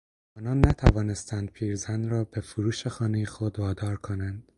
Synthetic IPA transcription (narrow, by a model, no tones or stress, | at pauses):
ʔɒːnɒːnːæt̪ʰævɒːne̞st̪ʰænd̪̚pʰiːɾzænɾɒːb̥e̞fuɾuːʃexɒːnejexod̪vɒːd̪ɒːɾkʰo̞nænd̪̥